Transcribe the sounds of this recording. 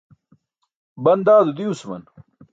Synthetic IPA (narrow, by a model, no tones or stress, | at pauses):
bɐnd̪aːd̪ud̪iusmɐ̰n